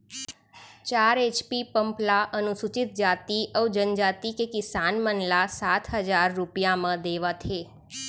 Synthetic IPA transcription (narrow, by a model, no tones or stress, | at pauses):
t͡ʃaɾet͡ʃpipəmplaʔənusut͡ʃɪt̪̚d͡ʒat̪iʔəʋd͡ʒənd͡ʒat̪ikekɪsanmənlasat̪ʰɦəd͡ʒaɾːupijamãd̪eʋat̪ʰe